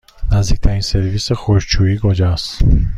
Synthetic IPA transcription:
næzd̪iːk̚ʲt̪ʰæɾinseɾviːsexoɾd͡ʒt͡ʃʰuiːɡod͡ʒæs

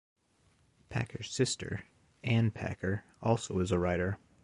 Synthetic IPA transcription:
pʰæ̰kʰə˞z̥sɪstʰə̰˞ | ʔæ̃npʰæ̰kʰə˞ | ʔɔlˠsoʊɨzəɹaɪɾə˞

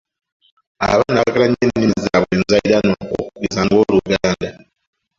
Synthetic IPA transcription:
a̰βanakilaɲennizaβweːnzajɾanwao̰kukizaŋɡo̞ːluɡaːnda

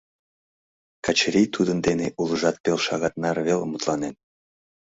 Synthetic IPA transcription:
kɑt͡ɕɾʲijt̪ʰud̪ə̆nd̪eneʔulˠɤʒɑt̪̚pelˠʃɑɣɑt̪nɑɾβelmut̪lˠɑnen

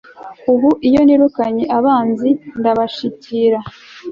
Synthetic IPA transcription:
uβuʔijo̞niɾukaɲeʔaβaːnzindaβaʃiciɾa

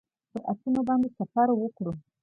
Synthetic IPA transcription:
pəɾʔa̰sunobɑnd̪esafaɾwəkɽu

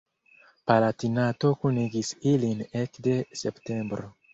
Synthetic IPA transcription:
palatinato̞kuniɡisilinekde̞se̞pte̞mbɾo

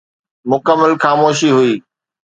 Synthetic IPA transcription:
mʊkəmːəlxaːmoːʃiɦʊiː

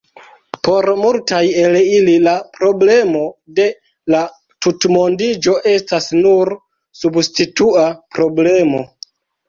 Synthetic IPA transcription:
po̞ɾmultajelililapɾo̞ble̞mo̞de̞ | la | tutmo̞ndid͡ʒo̞ʔe̞stasnuɾ | substituapɾo̞ble̞mo̞̰

